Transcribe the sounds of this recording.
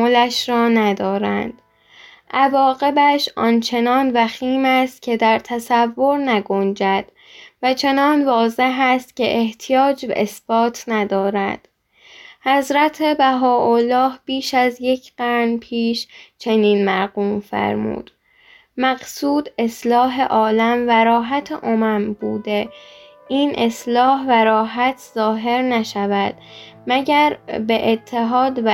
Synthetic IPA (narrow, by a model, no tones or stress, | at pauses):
olæʃɾɒːnæd̪ɒːɾæ̰nd̪̥ | ʔævɒːɣe̞bæʃʔɒːnt͡ʃʰe̞nɒːnvæxiːmæst̪̚cʲʰe̞d̪æɾt̪ʰæsævːo̞ɾnæɡo̞nd͡ʒæd̪̥ | væt͡ʃʰe̞nɒːnvɒːze̞ɦæst̪cʰe̞ʔeht̪ʰijɒːd͡ʒbæ̰ʔesb̥ɒːt̪ʰnæd̪ɒːɾænd̪̥ | hæzɾæt̪ʰebæɦɒːʔolːɒːhb̥iːʃæzje̞cʰɢæɾnpʰiːʃt͡ʃʰe̞niːnmæɾɣuːmfæ̰ɾmṵːd̪̥ | mæɡsuːd̪e̞slɒːɦe̞ʔɒːlæmvæɾɒːɦæt̪ʰeʔomæmbuːd̪e | ʔiːnʔeslɒːhvæɾɒːɦæt̪ʰzɒːɦe̞ɾnæʃævæd̪̥mæɟæɾbeʔet̪ʰːe̞ɦɒːd̪v